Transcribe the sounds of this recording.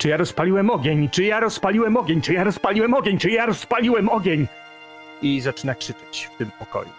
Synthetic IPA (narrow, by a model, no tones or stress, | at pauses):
t͡ʂɨjaɾɔspalʲiwɛmɔɡʲeɲt͡ʂɘjaɾɔspalʲiwɛmɔɡʲeɲt͡ʂɘjaɾɔspalʲiwɛmɔɡʲeɲt͡ʂɨjaɾɔspalʲiwɛmɔɡʲeɲ | izat͡ʂɘnakʂɘt͡ʂḁt͡ɕft̪ɘmpɔkɔ̰jṵ